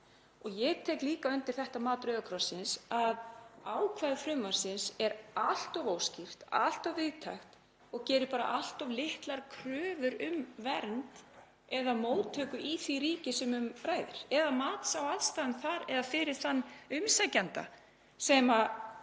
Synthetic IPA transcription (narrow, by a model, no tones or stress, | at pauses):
ɔɣjɛɣt̪ʰɛːjkliːkaʏnt̪ɪɾ̥θɛht̪amaːt̪ɾœːðakʰɾɔsːɪnsaðaːwkʰvaðɪfɾʏmːaɾ̥sɪnsɛɾal̥t̪avoːwscir̥t̪a̰l̥t̪avvɪðt̪ʰajxt̪ | ɔɣcɛːɾɪpaːɾa̰ʔal̥t̪avlɪht̪laɾkʰɾœːvʏɾʏmvɛɾnt̪ | ɛðamoːwt̪ʰœːkʏʔiθviɾiːcɪsɛmʏmraːjðɪɾ̥ɛðamaːt̪sawaðst̪aːðnθaɾɛðafɪɾɪɾ̥θanːʏmsacant̪a̰ | sɛma